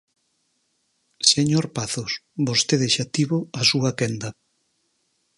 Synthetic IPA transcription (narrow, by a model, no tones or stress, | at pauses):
seɲoɾpaθosbost̪eðɪʃat̪iβoasuɐkɛnd̪ɐ